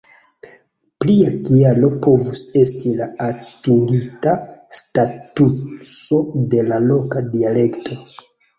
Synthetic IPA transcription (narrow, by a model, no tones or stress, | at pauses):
pliakialo̞po̞vuse̞stilaːtiŋɡitastatuso̞de̞lalo̞kadiale̞ktʰo̞